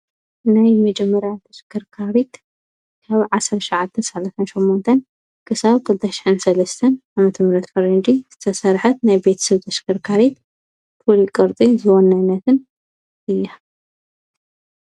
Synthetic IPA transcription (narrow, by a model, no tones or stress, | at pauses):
najmɐd͡ʒɛmːɐɾjat̪ʰɐskʰɨɾkʰaɾit̪ | kʰaβʕasɐɾʃɐʕat̪ʰːɐnsɐlasʰɐnʃomːont̪ʰɐn | kʰɨsaβkʰɨlɨt̪ʰɐʃɪ̥ħɨnsɐlɐst̪ʰɐnamɐt̪ʰɐmɾɐt̪fɐɾend̪iz̥ɨt̪ʰɐsɐɾħɐt̪̚najbe̞t̪ʰsɨβt̪ʰɐskʰɨɾkʰaɾit̪̚ | fʰulikʼɨɾt̪ʼizɨwonːanːɐt̪ʰɨn | ʔɨjːa